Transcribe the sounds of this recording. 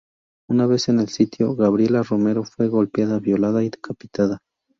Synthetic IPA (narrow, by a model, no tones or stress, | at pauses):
unaβe̞senelsit̪joɣaβɾjelarome̞ɾofwe̞ɣo̞lpjaðaβjolaðaiðekapi̥t̪aða